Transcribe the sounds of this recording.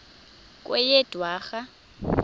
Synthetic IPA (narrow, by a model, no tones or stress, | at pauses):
kʼwɛjɛd̥ʱwaːɣa